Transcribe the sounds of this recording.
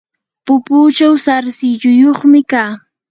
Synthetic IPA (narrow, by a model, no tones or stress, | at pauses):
pʊpuːt͡ʃawsaɾsɪʎʊjoχmɪkaː